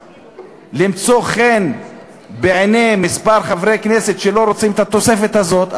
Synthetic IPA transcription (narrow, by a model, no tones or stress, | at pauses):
limt͡so̞χen | beʕenemːispaɾχavɾekne̞se̞t̪ʃelo̞ɾot͡simet̪at̪o̞se̞fe̞t̪hazo̞t̪